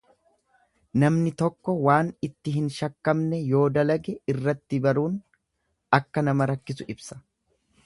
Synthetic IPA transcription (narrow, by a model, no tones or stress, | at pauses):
nɐmnɪt̪ɔkːɔwaːnɪt̪ːɪɦɪnʃɐkːɐmnɛjo̞ːd̪ɐlɐɡɛɪrːɐt̪ːɪbɐɾuːn | ɐkːɐnɐmɐɾɐkːɪsʊʔɪbsɐ̥